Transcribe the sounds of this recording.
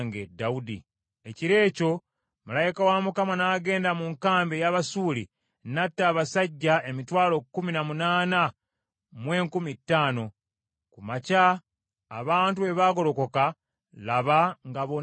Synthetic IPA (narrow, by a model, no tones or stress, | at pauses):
ŋɡḛdaudḭ | e̞ciɾe̞ːco̞ | malajikawamukamanaːɡe̞ːndamuŋkaːmbejaːβasuːlḭ | natːaːβasaɟːae̞mitwaːlo̞kːuminamunaːna | mwe̞ːŋkumitːaːno̞ | kumaca̰ː | βaːntue̞βaːɡo̞lo̞ko̞ka | laβaŋɡaβo